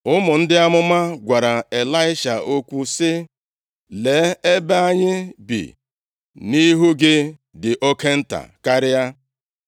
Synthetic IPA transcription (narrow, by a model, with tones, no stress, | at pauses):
ʊ˦mʊ˨n̩˦dɪ˦a˦mʊ˦ma˦ɡʷa˨ɾa˨e˨la˦ɪ˦ʃa˨o˦kʷu˦sɪ˦ | le˨˦e˦ba˦a˦ɲɪ˦bḭ˨ | ni˦ɦu˦ɡɪ˦ | dɪ˨ʔo˦ke˦n̩˦ta̰˨ka˦ɾɪ˦ja˦